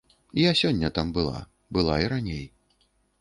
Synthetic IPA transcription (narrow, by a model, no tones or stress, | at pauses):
iasʲɔnʲːɐt̪ambɨlˠa̰ | bɨlˠaiɾanʲej